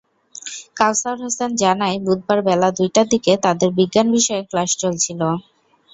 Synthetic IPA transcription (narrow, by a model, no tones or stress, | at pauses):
kawsaɾɦɔsend͡ʑanaebud̪̚baɾbɛlad̪ujʈad̪iket̪ad̪eɾbiɡːanbiʃɔeklaʃt͡ɕolt͡ɕʰilo